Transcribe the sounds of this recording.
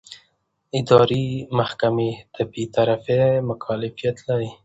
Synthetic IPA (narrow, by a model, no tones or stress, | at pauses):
ɪd̪ɑɾimahkamed̪̥əbet̪aɾafemʊkʰalɪfijat̪laɾi